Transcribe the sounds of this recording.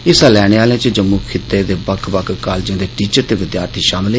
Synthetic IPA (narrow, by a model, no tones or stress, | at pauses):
ɪsaːlɛːɽ̃eːaːlẽːt͡ʃəd͡ʒəmːuːkʰɪt̪ːeːd̪eːbəkʰbəkʰkaːlːd͡ʒãːd̪eːʈiːt͡ʃəɾt̪eːʋɪd̪jaːɾt̪ʰiːʃaːmɪl